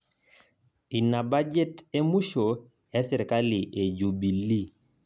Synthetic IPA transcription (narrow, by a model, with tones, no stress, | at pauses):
i˨na˨ba˦d͡ʒe˦te˦mu˦ʃo˨ | ɛ˦sɪ˨ɾka˦li˨ʔe˨d͡ʒu˨bi˨li˦˨